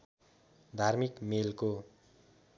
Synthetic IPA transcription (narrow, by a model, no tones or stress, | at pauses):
d̪ʱarmikmelko